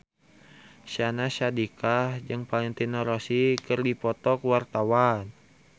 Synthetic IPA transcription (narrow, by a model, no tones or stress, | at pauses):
ʃanaʃadikahd͡ʒɨŋpalɪŋt̪inaɾosikɨrdipɔt̪ɔkwart̪awan